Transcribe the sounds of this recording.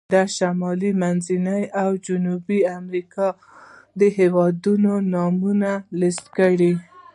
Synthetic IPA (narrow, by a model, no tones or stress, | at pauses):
d̪aʃamɑlimanzinəjawd͡ʒʊnubiamɾikɑ | d̪əɦewɑd̪unonɑmunaləst̪kəɽi